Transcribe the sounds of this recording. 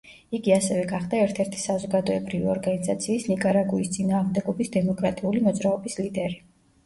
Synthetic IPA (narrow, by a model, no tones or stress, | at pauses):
iɡiasɛvɛɡaχd̪aɛɾt̪ʰɛɾt̪ʰi̥sazɔɡad̪ɔɛbɾiviɔɾɡanizat̪sʰiːsnikʼaɾaɡuist̪sʼinaːʁmd̪ɛɡɔbisd̪ɛmɔkʼɾat̪ʼiulimɔd̪zɾaɔbislid̪ɛɾi